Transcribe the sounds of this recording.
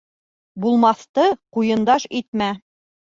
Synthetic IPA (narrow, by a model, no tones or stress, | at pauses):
bulˠmɑθt̪ɤqujɤ̆nd̪ɑʃit̪̚mæ